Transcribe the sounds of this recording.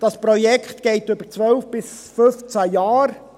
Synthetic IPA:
d̥ɑspɾɔjɛkχt̪ɡ̥eɪtʏb̥əɾt͡sʋœlfb̥ɪs | fʏft͡sæjɑːɾ

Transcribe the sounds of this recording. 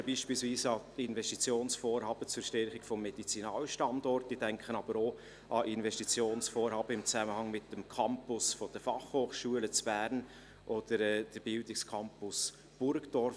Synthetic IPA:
b̥iːʃpiːlsviːsɑɪnvɛstit͡sjoːnsfoːɾhɑːb̥ət͡sʊɾʃtɛɾχɪkfɔmːɛd̥it͡sinɑːləʃtɑndɔrt̚d̥id̥ɛŋkʰχənɑb̥əɾoː | ʔɑʔɪnvɛʃtit͡sjoːnsfoːɾhɑːb̥əɪmt͡sæməhɑŋmɪtːəmkʰɑmpʊsfɔd̥əfɑχhoːχʃuələt͡sb̥æːɾn | ʔɔd̥əɾɛːd̥əɾb̥ɪldɪkskʰɑmpʊs | b̥ʊɾkdɔɾf

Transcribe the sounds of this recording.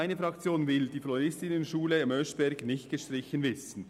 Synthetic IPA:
aɪnəfɾɑkt͡sjoːnvɪld̥iːfloɾɪstɪnənʃuːləɑmœʃb̥ɛɾɡnɪçtɡ̥əʃtɾɪçənvɪsn̩

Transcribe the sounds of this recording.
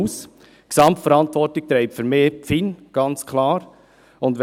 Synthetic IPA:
us | ksɑmtfəɾɑntʋɔrtɪk̚t̪ɾɛɪpfʏɾmeːp͡finɡ̥ɑnt͡skʰlɑːɾ | ʊnd

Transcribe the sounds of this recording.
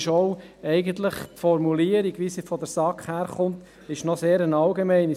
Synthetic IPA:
ʃɔʊ | ɛɪɡənt̪ləχtfɔɾmuliːəɾiɡʋisifɔdəɾsɑkχhæːɾχʊnt | ɪʃnɔseːɾənɑlɡemɛɪni

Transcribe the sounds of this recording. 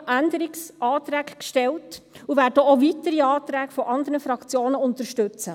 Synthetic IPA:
ʔænd̪əɾiksʔɑːt̪ɾæːkkʃtɛltuvæːdəovitəɾiɑːt̪ɾæːɡfɔʔɑnd̪əɾnəfɾɑkt͡sjoːnəʊnt̪əɾʃtʉt͡sə

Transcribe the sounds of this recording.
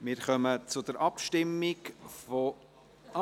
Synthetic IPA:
mɪːɾχœmət͡sʊdɛɾʔɑpʃtɪmːɪkfo

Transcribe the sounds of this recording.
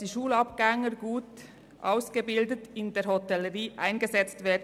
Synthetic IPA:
d̥iːʃuːlɑpɡ̥ɛŋəɡuːt | ʔaʊsɡ̥əbɪldətɪndeːɾhotɛləʁiːʔa̰ɪnɡəzɛt͡stv̥eːd

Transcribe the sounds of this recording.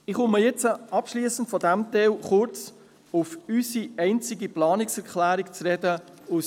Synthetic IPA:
ɪχʊməjɛt͡səɑpʃliːsən̩tfɔdæmtɛlχʊɾt͡s | ʊfysiɛɪnt͡sɪɡiplɑːnɪksɛɾkʰlæːɾikt͡sɾɛdə | ʊs

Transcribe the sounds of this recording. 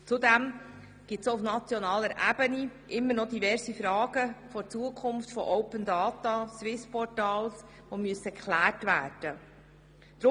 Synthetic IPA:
t͡sud̪ɛm | ɡ̥ɪtsoufnɑt͡sjɔnɑːləɾʔæbəniʔɪmːənɔd̪ivɛɾzifɾɑːɡ̥əfɔɾt͡suəkʰʊmftfɔ̰ʔɔwpəndɑːt̪ɑswɪspɔɾtɑːls | ʋomyəsəkʰlæːrtvæːrd̥ə | d̥ɾ

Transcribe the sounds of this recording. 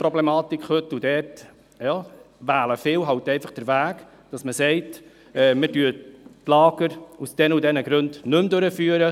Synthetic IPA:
pɾɔblɛmɑːt̪ikχhɵtudɛːɾt | jɑ | ʋæːləfɪːwɦɑwtɛɪfɑχd̥əɾvæːk | d̥ɑsməsɛɪt | ɛːmɪdyːətlɑːɡ̥əɾusd̥ɛnudɛnəɡɾɵndnɵmd̪øɾəfyːəɾə

